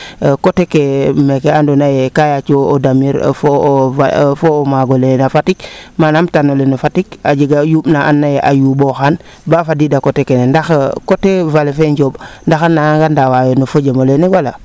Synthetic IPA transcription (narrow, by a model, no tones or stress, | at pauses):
kotekemekeandonajekajat͡ʃoodamiɾfoafomaɡolenafatikmanamtanolenofatikad͡ʒiɡajuɓnaʔanːajeʔajuboxan | bafadidakotekenendaxkotevalefeɲɟobndaxanːaŋɡandawajonofəɟamolenewala̰